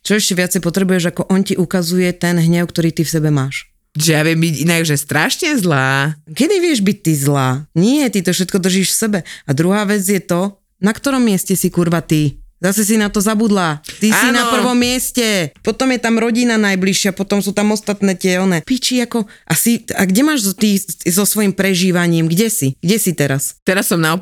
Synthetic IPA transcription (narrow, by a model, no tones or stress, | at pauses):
t͡ʃɔɛʃcɛʋɪat͡sɛjpɔt̪ɾɛbujɛʒakɔʔɔnciʔukazujɛt̪ɛnɦɲɛʊk̚t̪ɔɾiːt̪ifsɛbɛmaːʃ | ʒɛjaʋɪɛmbiɟinaɡʒɛst̪ɾaʃɲɛzlaːkɛd̪iʋɪɛʒbic̚t̪izlaːɲɪɛjɛt̪it̪ɔfʃɛt̪̚kɔd̪r̩ʒiːʃfsɛbɛad̪ɾuɦaːʋɛd͡zjɛt̪ɔ | nakt̪ɔɾɔmːɪɛscɛsikuɾʋat̪izasɛs̬inat̪ɔzabud̪laːt̪isinapr̩ʋɔmːɪɛscɛpɔt̪ɔmjɛt̪amɾɔɟinanajbliʃɪapɔt̪ɔmsuːt̪amɔst̪at̪nɛːcɪɛɔnɛpiːt͡ʃiakɔʔasiaɡɟɛmaːʒzt̪iːzɔsʋɔjimpɾɛʒiːʋaɲiːmɡɟɛsiɡɟɛsit̪ɛɾast̪ɛɾasːɔmnaɔ